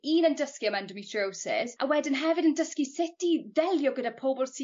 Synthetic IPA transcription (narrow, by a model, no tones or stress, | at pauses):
iːnəndəskiəmandəmitʰowsɛ̰zawɛdɪnɦɛvɪdəndəskisɪtiðɛlˠjɔɡədapʰobɔlˠsi